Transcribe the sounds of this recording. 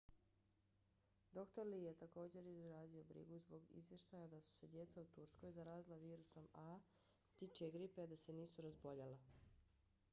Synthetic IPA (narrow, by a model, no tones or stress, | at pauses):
d̪o̞kt̪o̞ɾlijet̪ako̞ːd͡ʑe̞ɾizɾaːzio̞bɾḭɡuzbo̞ɡḭzʋje̞ʃt̪ajad̪asu̥se̞d̪je̞t̪saut̪uɾsko̞jzaɾaːzilˠaʋiːɾuso̞ma | t̪it͡ʃeɡɾipead̪ase̞niːsuɾazbo̞ʎala